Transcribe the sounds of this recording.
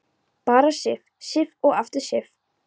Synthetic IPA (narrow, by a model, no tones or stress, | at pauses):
paːɾasɪf | sɪfɔɣaft̪ʏ̥sɪf